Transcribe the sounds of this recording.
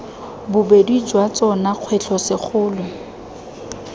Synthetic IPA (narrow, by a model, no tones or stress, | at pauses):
bʊbedid͡ʒwat͡sʼɔnaq͡χʰwɛt͡ɬʰɔsɪk͡xʰʊːlʊ